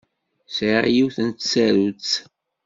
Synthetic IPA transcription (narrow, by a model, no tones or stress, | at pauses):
sijiwθənt̪t͡sːæɾut͡s